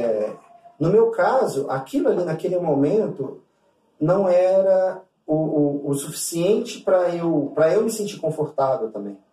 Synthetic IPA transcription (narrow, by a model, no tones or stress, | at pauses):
ɛ | nʊmewkazʊʔa̰kilʊalinakelɪmomẽnt̪ʊ | nɐ̃w̃ɛɾɐ | ʊʊːsufi̥siẽnt͡ʃɪpɾɐewpɾɐewmɪsẽt͡ʃiɾkõfoɾt̪avewt̪ɐ̃bḛ̃j̃